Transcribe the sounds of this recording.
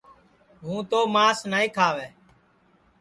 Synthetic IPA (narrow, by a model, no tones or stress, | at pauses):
ɦũːt̪oːmaːsnaːĩːkʰaːʋeː